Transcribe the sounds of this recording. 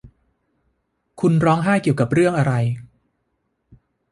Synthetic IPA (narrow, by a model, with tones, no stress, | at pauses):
kʰu˧nɾɔː˦˥ŋɦaː˥˩jki˨˩wka˨˩p̚ɾɯ˥˩əŋʔa˧ɾa˧j